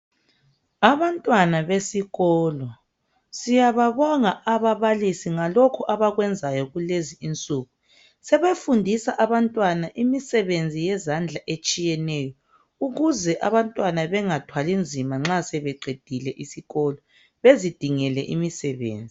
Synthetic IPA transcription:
aβantʼwanaβesiɣɔːlɔ | sijaβaβɔŋaʔaβaβalisiŋalokʰuʔaβaɣwɛnd͡zʱajɔɣuleziint͡sʼuːɣu | sɛβefundʱisaʔaβantʼwanaʔimisɛβend͡zʱijɛzand͡ɮʱaʔet͡ʃʼijɛnɛjɔ | uɣuzɛʔaβantʼwanaβɛŋatʰwalind͡zʱimaŋ͡ǁasɛβɛɡ͡ǃʱed̥ʱilɛʔisiɣɔlɔ | βezid̥ʱiŋɛlɛ̰ʔimisɛβḛːnd͡zʱi

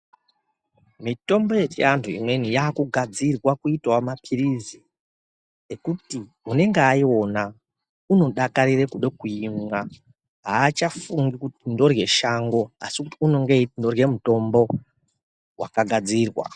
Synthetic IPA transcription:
mito̞mbo̞je̞t͡ʃiantʰuḭmwe̞nijaːkuɡʱad͡zirwakuitawamapʰirizi | ekuti | une̞ŋɡeaio̞na | uno̞ɗakaɾirekuɗe̞kuimwa | ɦaːt͡ʃafuŋɡikutindo̞rje̞ʃaŋɡo̞a̰sikutiuno̞ŋɡendo̞rje̞muto̞mbo̞ | wʔa̰kaɡʱad͡ziːrwa̰

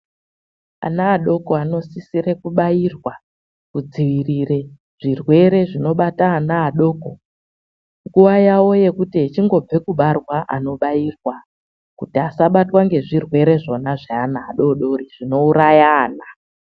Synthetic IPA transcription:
a̰naːɗo̞ko̞ano̞sisire̞kuɓairwa | kud͡ziʋirire̞ | ʐ̥irwe̞ɾe̞ʐino̞ɓataːnaːɗo̞ːko̞ | ŋɡuʋajawo̞je̞kutiɦet͡ʃiŋɡo̞b͡ve̞kuɓarwaʔano̞ɓairwa | kutiasaɓatwaŋɡe̞ʐirwe̞ɾe̞ʐo̞naʐeanaːɗo̞ɗo̞ɾiʐ̥ino̞uɾajaːna

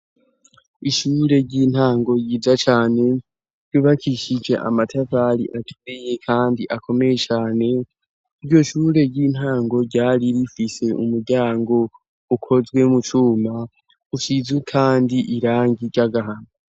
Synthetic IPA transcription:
iʃuːɾe̞ɾɟiːn̥haːŋɡo̞jiːd͡ʒat͡ʃaːne̞ | ɾɟuːβakʰiʃid͡ʒe̞̰ʔa̰matʰavaɾḭʔatʰuɾeje̞kʰaːndiʔakʰo̞me̞je̞t͡ʃaːne̞ | iɾɟo̞ʃuːɾe̞ɟiːn̥haːŋɡo̞ɟaːɾiɾifise̞ṵmuɾɟaːŋɡo̞ | ukʰo̞zɡwe̞mut͡ʃuːma | uʃizekʰaːndiʔiɾaːŋɡiɟaɡaɦana

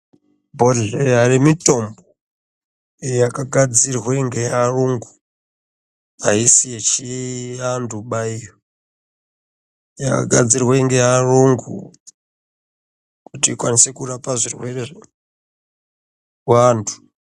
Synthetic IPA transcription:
bʱo̞ɮeɦarimito̞mbo | jakaɡʱad͡zirweŋɡearuŋɡu | ɦaɦisiet͡ʃiandʱuɓaijo | jaka̰ɡʱad͡zirweŋɡeɦaruŋɡṵ | kutiːkwanisekurapaʐirwe̞rer | wantʰu̥

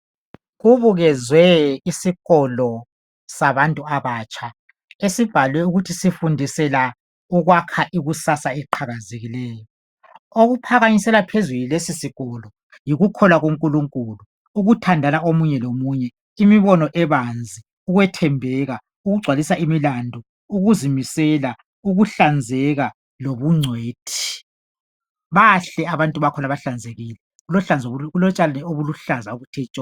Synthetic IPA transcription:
ɣuβuɣɛzwɛisiɣɔlɔ | saβantʼuaβaːt͡ʃʰʼa | esib̥ʱalwɛuɣutʰisifundʱisɛla | uɣwakʰaʔiɣusasaɛǃʰaɣazeɣilɛːjɔ | oɣupʰaɣaɲisɛlapʰezulilesisiɣɔlɔ | jiɣukʰɔlaɣoŋkʼuluŋkʼuluː | ɣutʰandʱanaomuɲɛlomuɲɛ | imiβɔnɔʔɛβand͡zʱi | uɣwɛtʰɛmbʱɛɣa | uɣuɡ͡ǀʱwalisaimilandʱɔ | uɣuzimisɛla | uɣuɬand͡zʱɛɣa | loβuŋ͡ǀʱweːtʰi̥ | βaɬɛaβantʼuβakʰɔnaβaɬand͡zʱeɣiːlɛ | ulɔɬand͡zʱulɔt͡ʃʼalanɛoβuluɬazaoβutʰɛːt͡ʃʼɔ

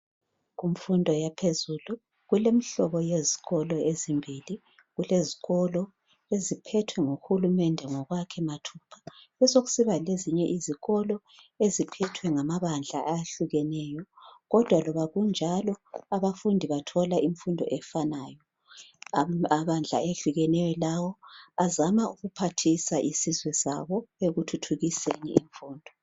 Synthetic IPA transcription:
ɣuɱfundʱɔjapʰezuːlu | ɣulemiɬɔβɔjeziɣɔlɔezimbʱili | ɣuleziɣɔlɔ | ezipʰɛtʰwɛŋoxulumɛndʱɛŋɔɣwakʰɛmatʰupʰḁβɛzoɣu̥siβaleziɲɛʔiziɣɔlɔ | ezipʰɛtʰwɛŋamaβand͡ɮʱa̰ʔajaɬuɣɛnɛjɔɣɔd̥ʱwalɔβaɣund͡ʒʱalɔaβafundʱiβatʰɔlaʔiɱfundʱɔ̰ʔɛfanaːjɔ | aβand͡ɮʱa̰eɬuɣɛnɛjɔlawɔazamauɣupʰatʰisaʔisizwɛsa̰βɔeɣutʰutʰuɣisenḭːɱfuːndʱɔ

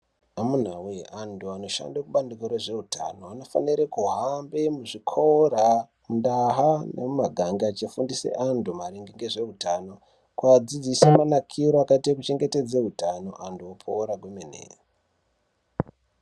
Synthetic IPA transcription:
amun̤awanduano̞ʃa̰ndakuɓandikoɾeʐe̞uta̰no̞ano̞fa̰niɾekuɦambemuʐikʰora | mundaɦanḛmumaɡʱaŋɡiat͡ʃifundisḛʔandumaɾiŋɡiŋɡeʐe̞utano̞ | kwad͡zid͡zisemanakʰiɾoakaitekut͡ʃe̞ŋɡete̞d͡zeɦutano̞̰ʔanduopʰouɾaɡʱemenḛ

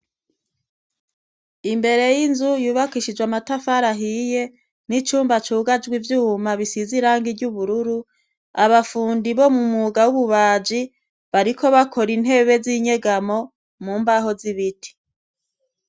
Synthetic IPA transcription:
imbe̞ɾe̞jinzujuːβakiʃid͡ʒwamatafaɾaɦije̞ | nit͡ʃuːmbat͡ʃuːɡad͡ʒɡwivjuːmaβisiziɾaːŋɡiɾɟuβuɾuɾu | aβafuːndiβo̞mumuɡawuβuβaːd͡ʒi | βaɾikʰo̞βakʰo̞ɾin̥he̞βe̞ziɲe̞ɡamo̞ | muːmbaɦo̞ziβitʰi̥

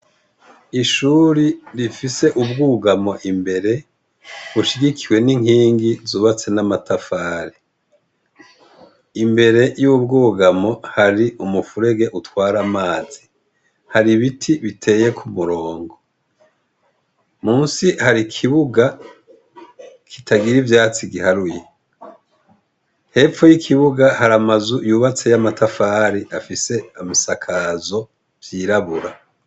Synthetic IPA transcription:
iʃuːɾiɾifise̞ʔub̚ɡuːɡamo̞ʔimbe̞ɾe̞ | βuʃiɡikʰiwe̞niŋ̥hiːŋɡizuːβat͡se̞namatafaːɾe | imbe̞ɾe̞jubɡuːɡamo̞haɾiumufuɾeɡe̞ʔutwaːɾamaːz̥i | haɾiβitʰiβitʰe̞ːje̞kʰumuɾo̞ːŋɡo̞ | muːnsihaɾikʰiβuɡa | kʰi̥tʰaɡiɾivjaːt͡siɡihaɾuje | he̞ːfo̞jikʰiβuɡahaɾamazujuːβat͡se̞jamatʰafaːɾiʔafise̞amisakʰazo̞ | vjiːɾaβuɾa

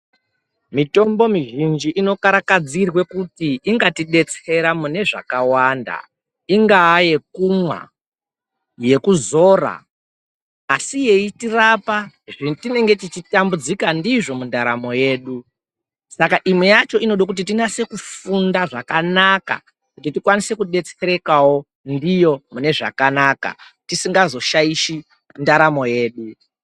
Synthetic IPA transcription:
mito̞mbo̞miʒind͡ʒiʔino̞kaɾakad͡zirwe̞kutiiŋɡatiɗe̞t͡se̞ɾamune̞ʐa̰kawanda̰ | iŋɡaːje̞kumwa̰ | je̞kuzo̞ːra̰ | sije̞itirapa | ʐitine̞ŋɡe̞tit͡ʃitambud͡zikandiʐo̞mundaɾa̰mo̞je̞ːɗu | sakaʔimwejat͡ʃo̞ʔino̞ɗok̬ut̬itinase̞kufundaʐakanaka̰ | kutitikwanise̞kuɗe̞t͡seɾe̞kawo̞ | ndijo̞mune̞ʐa̰kanaka̰tisiŋɡazo̞ʃaiʃi | ndaɾamo̞je̞ːɗu

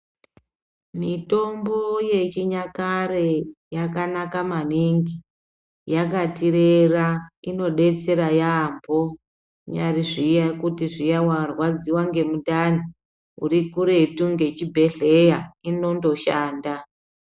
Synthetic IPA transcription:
mito̞mbo̞je̞t͡ʃiɲakarejakanakamaniŋɡi | jakatireraino̞ɗe̞t͡se̞ɾajambo̞ | ɲariʐijakutiʐijawarwad͡ziwaŋɡe̞mudani | ṵrikuɾe̞tuŋɡe̞t͡ʃibʱe̞ɮe̞jaino̞ndo̞ʃaːnda

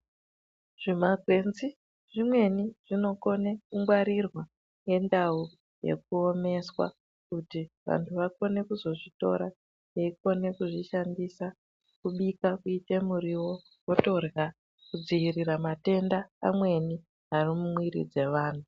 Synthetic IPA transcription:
ʐ̥imaɡʱwe̞nzi | ʐimwe̞niʐ̥ino̞ko̞ne̞kuŋɡwaɾirwa | ŋe̞ndau | je̞̰k̚uome̞swa̰ | kutiʋa̰ntʰuʋako̞ne̞kuzo̞ʐito̞̰ɾa | jeiko̞ne̞kuʐiʃandisa | kuɓikakuite̞muɾiwo̞ | koto̞rja | kud͡ziiriɾamate̞ndaːmwe̞ni | ɦarimumwiɾḭd͡ze̞ʋaːn̤u

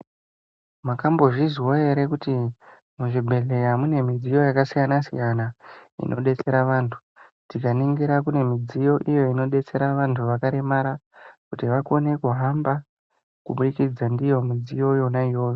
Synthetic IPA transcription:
makambo̞ʐiziwoe̞ɾe̞kuti | muʐibʱe̞ɮe̞jamune̞mid͡zijo̞jakasijanasḭjanaḭnʔo̞ɗe̞t͡se̞ɾaʋaːntʰu̥ | tikaniŋɡiɾakune̞mid͡zijo̞ʔijo̞ino̞ɗe̞t͡se̞ɾaʋantʰuʋakaɾemaɾakutiʋakone̞kuɦamba | kuɓuikid͡zandijo̞mid͡zijo̞jo̞naijo̞ːjo

